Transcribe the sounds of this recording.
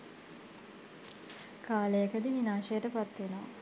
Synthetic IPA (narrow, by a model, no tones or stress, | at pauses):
kaːlejəkəd̪iʋinaːʃɐjəʈəpat̪ʋenoʋa̰